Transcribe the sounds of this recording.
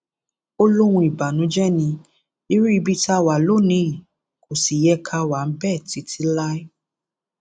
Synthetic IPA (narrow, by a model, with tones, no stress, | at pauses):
o˦lo˦ɾ̃ũ˧i˨ba˨nũ˨˦d͡ʒɛ˦nĩ˧ | i˦ɾu˦i˧bi˧ta˧wa˨lo˦˨nĩ˧i˨ | ko˨si˨jɛ˧kʰa˧wa˨n̩˦bɛ˦˨ti˨˦tʰĩ˦la˦i˦